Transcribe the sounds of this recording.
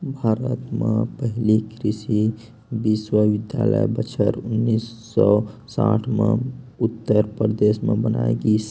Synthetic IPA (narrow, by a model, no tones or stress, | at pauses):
bʱaːɾət̪mepəɦilikɾisi | biswəʋid̪ja̰lə̰jbət͡ʃʰəɾunːisːɔsa̰ʈʰme | ut̪ːəɾpɾd̪esmebənaeɡis